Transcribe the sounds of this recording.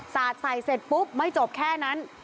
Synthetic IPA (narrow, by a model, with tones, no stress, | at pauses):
saː˨˩t̪̚sa˨˩jse˨˩t̪̚pu˦˥p̚ma˥˩jt͡ɕo˨˩p̚kʰɛː˥˩na˦˥n